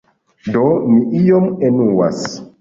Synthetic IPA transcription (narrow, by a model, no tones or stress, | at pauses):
doniijomenuwa̰s